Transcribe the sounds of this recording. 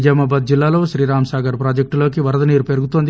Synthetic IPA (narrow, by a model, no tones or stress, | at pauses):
d͡ʒɐmaːbad̪̚d͡ʒilːaːlo̞ːʃɾiːɾaːmsaːɡɐɾpɾaːd͡ʒɐk̚ʈlo̞ːkiʋɐɾɐd̪ɐniːɾupeɾuɡut̪ond̪i